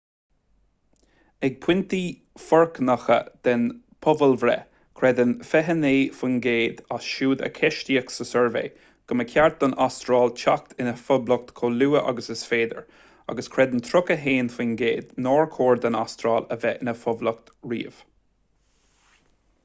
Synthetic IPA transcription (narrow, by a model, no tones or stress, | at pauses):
ɛɡ̚pʰw̥ɪnt̪iː | fɔɹknaxə̰d̪̥ɛn | pʰʊvəlvɾɛ̰ | kʰɾɛd̪ənfɛɦəneːfunɡeːd̪asʃuːd̪ə̰kʰɛʃtiːəksəsɛɹvḛː | ɡ̥ʊməkʰjaɹt̪̚d̪ɔnʔast̪ɾaːlt͡ʃʰak̚t̪ʰɪnəfʊblək̚t̪kʰoːluːəʔa̰ɡəsəsfeːd̪ə̰ɹ | a̰ɡəskʰɹɛd̪ənt̪ʰɾʊkəɦeːnfʊnɡeːd̪noːɹkʰoːɹd̪anast̪ɾɑːləvɛʔɪnəfʊblək̚t̪ɹḭːv̥